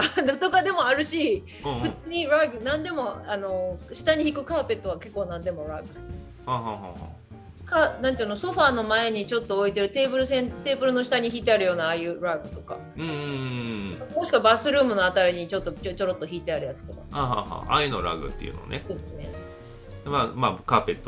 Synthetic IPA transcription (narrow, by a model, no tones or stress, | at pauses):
ad̪t̪oɡad̪e̞mo̞aɾɯ̟ɕi | ɸɯ̟t͡sɨːɲ̟iɾaɡɯ̟nãnd̪e̞mo̞ano̞ɕi̥t̪aɲ̟içikɯ̟kaːpe̞t̪ːo̞βake̞kːo̞ːnãnd̪e̞mo̞ɾa̰ɡɯ̟ | haːɦaːɦa̰ha̰ | kanãnt̪onoso̞ɸaːno̞mae̞ɲ̟it͡ɕo̞t̪ːo̞ːit̪e̞ɾɯ̟t̪e̞ːbɯ̟ɾɯ̟s̬ẽ̞nt̪e̞ːbɯ̟ɾɯ̟no̞ɕi̥t̪aɲ̟içiːt̪̬e̞aɾɯ̟jo̞ːnaːjɯ̟ɾaɡɯ̟t̪o̞ka̰ | ɯ̃ɴ | omoɕi̥kabasɨɾɯ̟ːmɯ̟no̞at̪aɾʲiɲ̟it͡ɕo̞t̪ːo̞ot͡ɕo̞ɾo̞t̪ːo̞çiːt̪e̞aɾɯ̟jat͡sɨ̥t̪o̞kaaːɦa̰ːha̰ːʔa̰jɯno̰ɾa̰ɡɯ̟̰t̪ːḛiɯ̟̰no̰nesoːd̪esɨne̞̰ | mamakaːpe̞t̪ːo